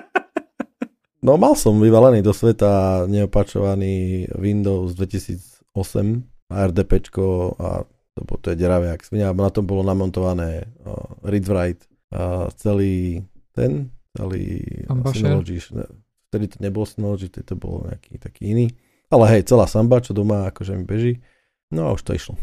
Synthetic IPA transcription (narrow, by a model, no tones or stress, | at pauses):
nɔmalsɔmʋiʋalɛniːd̪ɔsʋɛt̪aɲɛɔpat͡ʃɔ̰ʋaniːʋind̪ɔʊzd̪ʋɛcisḭːd͡z | ɔsɛ̰m | aɛɾd̪ɛpɛt͡ʃkɔa̰ | t̪ɔbɔt̪ɔjɛɟɛɾaʋɛaksmiɲɛnat̪ɔmbɔlɔnamɔnt̪ɔʋanɛː | ɾid̪ʋɾajt̪ | t͡sɛliːt̪ɛ̰nt͡sɛ̰lḭːsinɔlɔd͡ʒiʃɛ̰ | ft̪ɛd̪it̪ɔɲɛbɔlsinɔlɔd͡ʒift̪ɛd̪it̪ɔbɔ̰lɲɛ̰a̰kḭːt̪akiːiniː | alɛɦɛjt͡sɛlaːsambat͡ʃɔd̪ɔmaakɔʒɛmibɛʒi | nɔa̰uʃt̪ɔḭʃlɔ